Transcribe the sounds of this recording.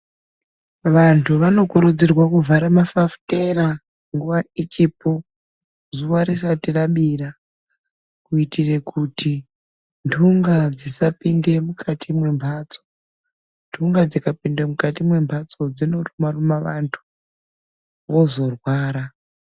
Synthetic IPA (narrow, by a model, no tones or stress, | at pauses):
ʋantʰuʋano̞kuɾud͡zirwakuvaɾamafafu̥tera | ŋɡuʋait͡ʃipo | zuʋaɾis̬atiraɓira | kuitire̞kʰuti | ndʰʱuŋɡad͡zisapinde̞mukʰatʰimwe̞mbʱat͡so̥ | ndʰʱuŋɡad͡zikapindemukatimwe̞mbʱat͡so̞d͡zino̞rumarumaʋantʰu̥ | ʋo̞zo̞rwaːɾa